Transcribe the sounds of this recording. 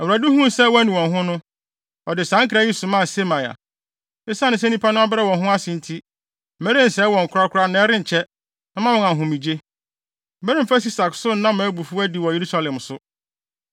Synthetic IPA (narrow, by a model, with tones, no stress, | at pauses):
ɛ˨wɾa˨du˦hʊ̃˦˨sɛ˦wɔ̃˦nɪ̃˨wɔ̃˨nɦʊ̃˦nʊ̃˦ | ɔ˨dɪ˨sã˦ŋkʰɾa˦je˦su˨mã˦˨se˦mã˨ja̰˨ | ɪ˦sa˦nʊ̃˦sɛ˦nĩ˦pʰa˦nʊ̃˦a˦bɪ˦ɾɛ˦wɔ̃˨nɦʊ̃˦a˦sɪ̃˨n˨tʰi˦ | m̩˨ɛ˦ɾɪ̃˦n̩˨sɛ˦wɔ̃˨ŋ̩˨kʰʊ˦ɾa˦kʰʊ˦ɾa˦nã˦ɛ˦ɾɪ̃˦ɲ̩˨t͡ɕʰɛ˦ | nã˦mã˦wɔ̃˦˨ŋã˨ɦʊ̃˨mĩ˨d͡ʑe˦ | m̩˨mɛ˦ɾɪ̃˦m̩˨fa˦si˦sa˨ksʊ˦n˦nã˦m̩˦ã˨˦bu˨fu˦æ˦di˨wɔ̃˨je˨ɾu˦sa˦lɛ̃˨msʊ˦